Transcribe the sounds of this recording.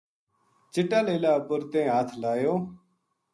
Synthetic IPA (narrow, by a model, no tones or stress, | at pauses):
t͡ʃɪʈaːleːlaːəpəɾt̪ẽːɦaːt̪ʰlaːjoː